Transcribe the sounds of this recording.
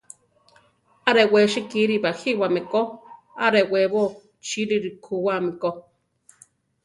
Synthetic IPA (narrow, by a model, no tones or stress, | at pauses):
aɾeweʃikiɾibahiwameko | aɾeweβo | t͡ʃiɾiɾikʰuwamiko